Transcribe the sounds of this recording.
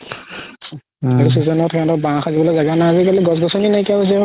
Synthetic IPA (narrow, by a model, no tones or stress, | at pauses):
aɹusizɔnɔtʰɛɔ̃tɔbããxazibɔlojzaɡanaazikaliɡɔsɡɔsɔninajkakos̬ɛ